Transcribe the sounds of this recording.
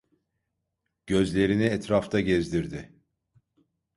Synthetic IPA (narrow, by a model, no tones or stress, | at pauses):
ɟ̥ø̞zlʲe̞ɾiniɛt̪ɾaft̪ʰaɟɛzd̪iɾd̪ɪ